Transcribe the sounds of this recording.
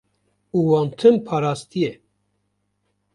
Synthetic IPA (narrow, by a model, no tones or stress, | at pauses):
uwɑnt̪ʰɨmpʰɑɾɑst̪iɛ